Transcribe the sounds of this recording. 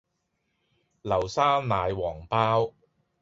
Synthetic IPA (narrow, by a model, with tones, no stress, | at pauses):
lɐ˨˩wsaː˥naː˨˧jwɔː˨˩ŋpaː˥w